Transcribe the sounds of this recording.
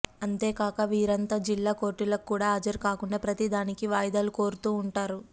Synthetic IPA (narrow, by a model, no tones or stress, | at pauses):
ɐnt̪e̞ːkaːkɐʋiːɾɐnt̪aːd͡ʒilːaːko̞ːɾʈilɐkːuːɽaːɐd͡ʒɐɾkaːkuɳɖɐpɾɐt̪id̪aːnikiʋaːjd̪aːluko̞ːɾut̪uːɳʈaːɾu